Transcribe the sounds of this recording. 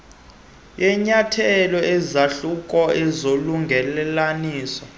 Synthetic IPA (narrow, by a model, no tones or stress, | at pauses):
jɛɲatʰɛlɔɛzaɬukʼɔɛzoluŋɡʱɛlɛlaniːsɔ